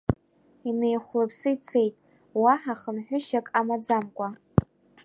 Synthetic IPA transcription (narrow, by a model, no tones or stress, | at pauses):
ine̞jχʷlɨpʰsɨit͡sʰe̞jtʼ | waħaχənħʷᶣʊʃakʼamad͡zamkʷʼa